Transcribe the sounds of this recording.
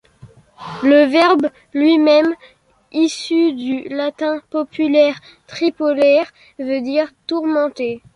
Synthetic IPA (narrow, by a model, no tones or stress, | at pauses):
ləvɛʁb | lɥimɛm | isyd̪ylat̪ɛ̃pɔpylɛʁ | t̪χipɔlɛʁ | vød̪iʁt̪uʁmɑ̃t̪e